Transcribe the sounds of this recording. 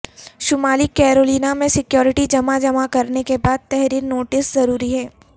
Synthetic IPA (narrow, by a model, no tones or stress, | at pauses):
ʃʊmaːlikɛːɾoːliːnamẽsɪkjɔːɾɪʈid͡ʒɐmad͡ʒɐmakɐɾnekebaːd̪̚t̪ɛɦɾiːɾnoːʈɪszɐɾuːɾiɦɛː